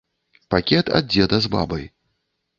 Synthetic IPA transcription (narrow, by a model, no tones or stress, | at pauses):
pakʲɛt̪ʰa̰d̪̚d͡zʲɛd̪ɐzba̰bɐj